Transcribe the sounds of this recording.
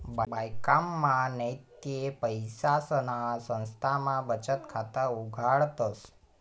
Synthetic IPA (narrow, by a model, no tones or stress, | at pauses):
babajkamːãnəjt̪jepəjsasənasə̃nst̪ʰamãbət͡ʃət̪kʰat̪auɡʱaɭt̪əs